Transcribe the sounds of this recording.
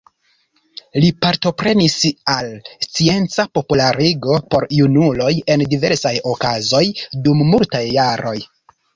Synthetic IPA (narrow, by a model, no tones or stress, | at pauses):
lipaɾto̞pɾe̞nisalst͡sie̞nt͡sapo̞pulaɾiɡo̞po̞ɾjunulo̞je̞ndive̞ɾsajo̞kazo̞jdumːultajːaɾo̞j